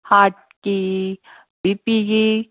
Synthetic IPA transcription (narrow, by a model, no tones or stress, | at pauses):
haːʈ̚ | ki | bipiɡi